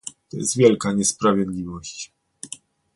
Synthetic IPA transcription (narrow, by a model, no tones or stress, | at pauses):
t̪ɔjɛ̰st̪vʲjɛlkaɲɛspɾavʲjɛd̪lʲivɔɕt͡ɕ